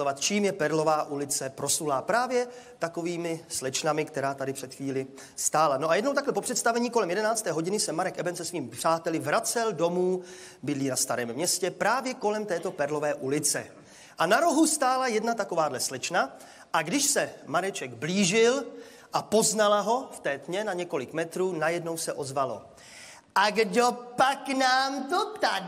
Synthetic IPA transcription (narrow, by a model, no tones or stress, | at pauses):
ovat̪̚t͡ʃiːmjɛpɛɾlo̞vaːʔulɪt͡sɛpɾo̞sulaːpɾaːvjɛ | t̪ako̞viːmɪslɛt͡ʃnamɪkt̪ɛɾaːt̪adɪpr̥ɛt̪xviːlɪ | st̪aːlanoʔajɛdnowt̪aklɛpo̞pr̥ɛt̪st̪avɛɲiːko̞lɛmjɛdɛnaːt͡st̪ɛːɦo̞ɟɪnɪsɛmaɾɛkʔɛbɛnsɛsviːmɪpr̥aːt̪ɛlɪvɾat͡sɛldo̞muː | bɪdliːnast̪aɾɛːmːɲɛscɛpɾaːvjɛko̞lɛmt̪ɛːt̪o̞pɛɾlo̞vɛːʔulɪt͡sɛ̰ | ʔanaɾoɦust̪aːlajɛdnat̪ako̞vaːdlɛslɛt͡ʃna | ʔaɡdɪʃsɛmaɾɛt͡ʃɛɡbliːʒɪl | ʔapo̞znalaɦo̞ft̪ɛːt̪ɲɛnaɲɛko̞lɪkmɛt̪ɾuːnajɛdno̞wsɛʔo̞zvalo̞̰ | ʔaɡdopaknaːmt̪ot̪a